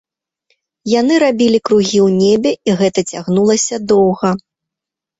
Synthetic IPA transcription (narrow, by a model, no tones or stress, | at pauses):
janɨɾabʲilʲikɾuɣʲiwnʲebʲɛiɣɛt̪ɐt͡sʲaɣnulˠɐsʲɐd̪ɔwɣɐ